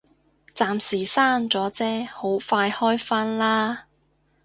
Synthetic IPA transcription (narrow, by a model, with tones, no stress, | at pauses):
t͡saː˨msiː˨˩saː˥nt͡sɔː˨˥t͡sɛː˥ho˨˥wfaː˧jhɔː˥jfaː˥nlaː˥